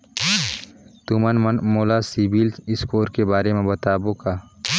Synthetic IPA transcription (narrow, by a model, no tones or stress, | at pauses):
t̪umənmənmoːlasiːbilɪskoːɾkebaːɾemẽbɐt̪aːbokaː